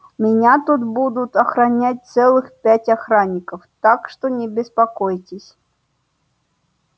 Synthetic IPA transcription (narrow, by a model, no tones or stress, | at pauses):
mʲɪnʲat̪ut̪bud̪ut̪ɐxɾanʲatʲt̪sɛlˠɨxpʲatʲaxɾanʲːikɐwt̪akʂt̪ɔnʲɛbʲɪspakɔjtʲɪsʲ